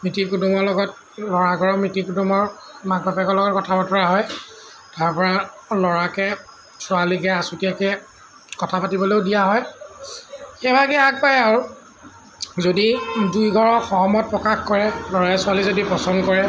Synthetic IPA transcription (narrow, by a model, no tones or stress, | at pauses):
mɹitikudumɔlɔɡɔt̚ | lɔɹaɡʱɔɹɔmɹitikudumɔɹ | maɡ̚bapkɔlɔɡɔt̚kɔtʰabɔtɔɹaɦɔj | taɹpɔɹalɔɹakɛ | sʊalikɛasutiakɛ | kɔtʰapatibɔleʊdijaɦɔj | xɛbaɡɛak̚pajaɹu | zodidujɡʱɔɹɔxɔmɔt̚pɹɔkaxkɔɹɛlɔɹaɛsʊalizodipɔsɔndkɔɹɛ